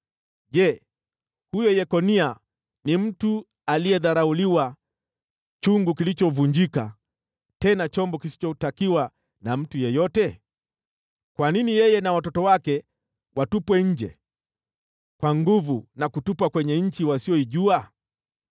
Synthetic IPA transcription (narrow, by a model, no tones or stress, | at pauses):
ʄɛ | hujɔjɛkɔnia | nim̩tu | aliɛðaɾauliwa | t͡ʃuŋɡukilit͡ʃɔvuɲd͡ʒika | tɛnat͡ʃɔmbɔkisi̥t͡ʃɔtakiwa | nam̩tujɛjɔtɛ | kwaninijɛjɛnawatɔtɔwakɛ | watupwɛɲ̩d͡ʒɛ̰ | kwaŋɡuvunakutupwakwɛɲɛɲ̩t͡ʃiwasiɔiʄua